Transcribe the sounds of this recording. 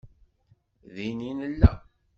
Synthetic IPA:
ðininəlːæ̰

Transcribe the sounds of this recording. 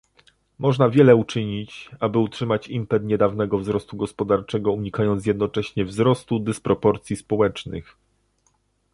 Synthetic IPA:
mɔʐnavʲjɛlɛut͡ʂɘɲit͡ɕabɘutʂɘmat͡ɕimpɛt̪ɲɛd̪avnɛɡɔvzɾɔst̪uɡɔspɔd̪aɾt͡ʂɛɡɔuɲikajɔnt̪s̬ʲjɛd̪nɔt͡ʂɛɕɲɛvzɾɔst̪ud̪ɘspɾɔpɔɾt̪sʲjispɔwɛt͡ʂnɘ̰x

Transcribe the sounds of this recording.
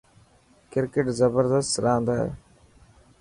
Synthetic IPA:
kɪɾkeʈzəbəɾd̪əst̪ɾãːnd̪a̰ː

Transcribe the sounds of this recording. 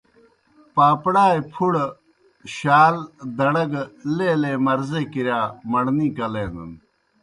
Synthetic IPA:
paːpɽaːepʰuɽ | ɕaːld̪ɐɽɐɡleːleːmɐɾzeːkiɾjaːmɐɽniːkɐleːnd̪ṵn

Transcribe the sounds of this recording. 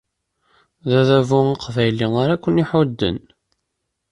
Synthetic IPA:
ðæðævʊiqvæjliŋaɾækʷːəniħʊd̪ːə̰n

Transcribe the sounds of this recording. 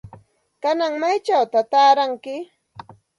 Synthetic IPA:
kanaŋmajt͡ʃawt̪at̪aːɾaŋkɪ

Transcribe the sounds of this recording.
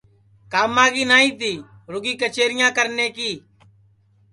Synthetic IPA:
kaːmːãːɡiːnaːĩːt̪iː | ɾʊɡiːkət͡ʃeːɾɪjãːkəɾneːkiː

